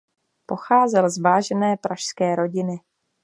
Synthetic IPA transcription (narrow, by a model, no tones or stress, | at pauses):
po̞xaːzɛlzvaːʒɛnɛːpɾʔaʃskɛːɾo̞ɟɪnɪ